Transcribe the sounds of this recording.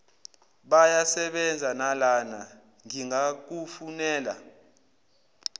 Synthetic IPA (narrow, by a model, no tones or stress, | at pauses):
ɓajasɛɓɛnd͡zʱanalana | ŋiŋak̬ufunɛːla̰